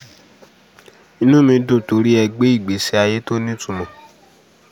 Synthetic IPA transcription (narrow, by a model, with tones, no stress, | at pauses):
ĩ˧nũ˦mĩ˧do˦˨to˨˦ɾi˦ɛ˧ɡ͡be˦i˦˨ɡ͡be˨˦si˦a˧je˦to˦nĩ˦tũ˦˨mɔ̃˨